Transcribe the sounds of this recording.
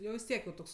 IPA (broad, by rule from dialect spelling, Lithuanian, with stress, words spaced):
ˈjɛʊ ʋʲɪs ˈtʲiɛk jɛʊ ˈtoːks